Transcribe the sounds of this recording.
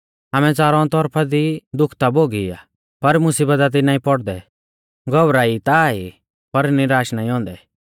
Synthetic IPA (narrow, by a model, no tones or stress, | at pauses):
aːmɛt͡saːɾɔ̃t̪ɔɾpʰad̪id̪ʊkʰt̪aboːɡia̰ | pɐɾmʊsiːbət̪̬at̪̬inaːĩpɔɽd̪ɛ | ɡɔbɾait̪ai | pɐɾniɾaːʃnaĩɔ̃ːnd̪ɛ